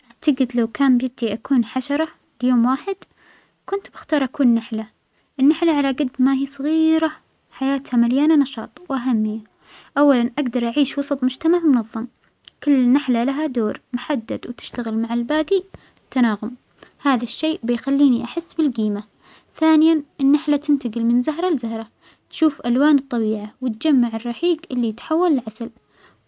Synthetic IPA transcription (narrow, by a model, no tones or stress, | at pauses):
ʔaʕt̪aɡɪd̪lawkaːmbjɪt̪ːiʔakuːnħaʃɑɾˤɑ | ljoːmwaːħɪd̪ | kʊnt̪bɪxt̪ɑːɾˤʔakuːnːaħla | ʔɪnːaħlaʕalaɡad̪maɦiːsˤɑɣiːɾa | ħajaːt̪hamaljaːnanɑʃɑ̰ːt̪ˤwʔaɦamːɪjːa | ʔawːalanʔaɡd̪ɑɾˤʔaʕiːʃwɑsˤɑt̪ˤmʊd͡ʒt̪amaʕmʊnɑðˤːɑm | kʊlːɪnːaħlalaɦad̪oːɾmʊħad̪ːa̰d̪wt̪ɪ̥ʃt̪aɣɪlmaʕɪlbaːd̪i | t̪ːanaːɣʊm | haːðaʃːeːʔbɪjxalːiːniʔaħɪsːbɪlɡiːma | θaːnɪjanʔɪnːaħlat̪ɪnt̪aɡɪlmɪnzaɦɾˤɑlzahɾˤɑ | t̪ʃuːfʔalwaːnɨt̪ˤːɑbiːʕawɪt̪̚d͡ʒamːaʕɪrːɑħiːɡʔɪlːit̪ħawːalɪlʕasal